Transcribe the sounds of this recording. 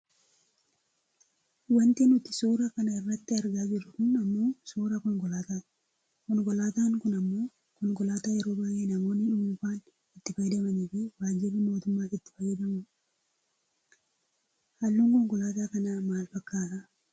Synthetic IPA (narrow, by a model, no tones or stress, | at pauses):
wɐnt̪ɪnʊt̪ɪ̥suːɾakɐnɐɪrːɐt̪ːɪɐɾɡaːd͡ʒɪɾʊkʊnɐmːo̞ːsuːɾakɔŋɡɔlaːt̪a | kɔnɡɔlaːt̪aŋkʊnɐmːo̞ː | kʊnɡɔlaːt̪aːjɐɾoːbaeːnɐmoːnːɪᶑʊmʊfaːn | ɪt̪ːɪfɐjd̪ɐmɐneːfɪwaːd͡ʒɪbɐmo̞ːt̪ʊmːaːɪt̪ːɪ̥fɐjːɐd̪ɐmʊ | hɐlːuŋkɔŋɡɔlaːt̪akɐnɐmaːlfɐkːaːt̪ɐ